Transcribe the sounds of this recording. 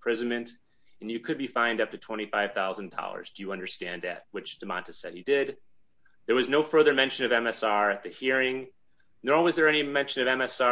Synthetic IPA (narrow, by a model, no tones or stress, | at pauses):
pʰɹ̥ɪzɨ̃nmɨ̃nt | ɨ̃n̩jɨkʰɨd̚bifãɪ̃ndʌp̚tɨtʰw̥ɛ̃ɾ̃ifθaɪv̥θaʊz̃n̩dɔ̰lˠə̰˞zdɨjɨʌ̃ndə˞stæ̃nðɨ̰t̚wɨt͡ʃd̥ɨmɑ̰̃ntɨsɛ̰d̚hidɪd̪̚ | ðə˞wʌznoʊfɜ˞ðə˞mɛ̃nʃɨ̃nʌvɛ̃mɛsɑɹɨt̪̚ðɨhiɹɪ̃ŋ | nəwʌzðə˞ɛnimɛ̃nʃɨ̃nʌvɛ̃mɛsɑ